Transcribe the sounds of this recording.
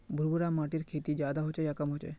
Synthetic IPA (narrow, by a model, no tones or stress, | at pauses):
bʱuɾbuɾamaʈiɾkʰet̪id͡ʒad̪aɦot͡ʃejakamɦot͡ʃḛ